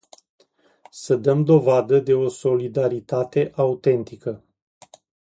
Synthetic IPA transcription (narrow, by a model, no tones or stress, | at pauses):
səd̪əmd̪o̞vad̪əd̪e̞o̞so̞lid̪aɾit̪at̪e̞ʔaut̪e̞nt̪ikə